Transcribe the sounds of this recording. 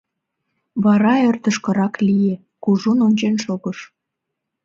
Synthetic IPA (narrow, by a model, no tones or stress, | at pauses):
βɑɾɑørt̪ə̆ʃkə̆ɾɑklije | kuʒunonʲt͡ɕenʃoɣəʃ